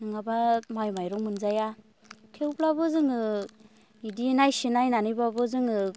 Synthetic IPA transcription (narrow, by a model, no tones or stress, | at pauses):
nɯŋabamajmajɾɔŋmɯnzaja | kʰewblabɯzɯŋɯ | idinajsinajnanɯjbabɯzɯŋɯ